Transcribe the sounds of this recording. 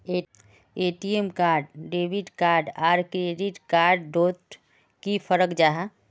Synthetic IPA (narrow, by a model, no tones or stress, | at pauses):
e | eːʈiemkaːɾɖɖeːbiɖkaːɾɖaːɾkɾeɖiʈkaːɾɖɖot̪ | kipʰəɾəkd͡ʒaːɦa